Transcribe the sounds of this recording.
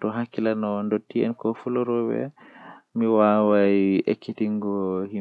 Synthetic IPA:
tɔɦakilanɔndɔtːiɛ̰nkɔfulɔɾɔwɛ̰miwawaiɛ̰kːitiŋɡɔhi

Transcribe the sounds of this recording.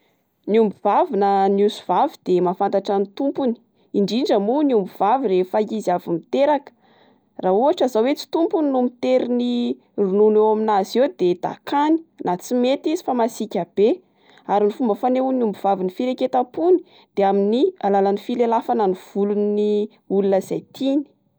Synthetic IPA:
niumbivavinənusuv̥avid̪̥emafant̪aʈ͡ʂanit̪umpuni̥ | iɳɖ͡ʐiɳɖ͡ʐəmuniumbuvaviɾefaiziavimit̪eɾakə̥ | raɦuaʈ͡ʂazawet͡si̥t̪umpuninumit̪eɾini | rununewaminazewd̪ed̪̥a̰kani̥nʔat͡simet̪izifamasikʲab̥e | aɾinifumbəfaneunumbiv̥avinifiɾeket̪apuni̥ | d̪̥eaminialalanifilelafananiv̥uluni | ulunəz̥ajt̪ʰini̥

